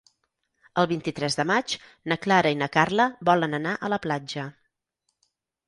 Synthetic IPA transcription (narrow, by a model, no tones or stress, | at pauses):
əlˠβint̪it̪ɾɛzðəmat͡ʃ | nəklaɾəinəkarləβɔlənənaʔələplad͡ʒə